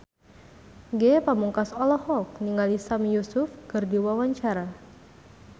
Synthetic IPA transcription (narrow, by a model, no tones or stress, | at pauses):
ɡɛpamuŋkasɔlɔhɔk̚niŋɡalisamjusʊfkɨrdiwawaɲt͡ʃaɾa